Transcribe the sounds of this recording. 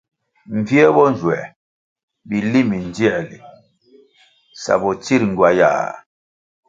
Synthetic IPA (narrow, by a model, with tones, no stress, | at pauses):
m˨vi˦ɛ˦bɔ˦n˦d͡ʒwɛ˨ | bi˨li˦mi˨n˦d͡ʒi˦ɛ˦˨lḭ˨ | sa̰˨bɔ˨t͡si˦ɾŋ̩˨ɡwa˨ja̰ː˨